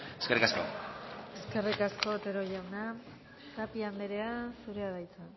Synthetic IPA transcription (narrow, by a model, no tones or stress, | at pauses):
eskerikasko̰e̞ske̞rikasko̞t̪e̞ɾo̞ʝawna | t̪apiambe̞ɾe̞asuɾeaðajt͡sa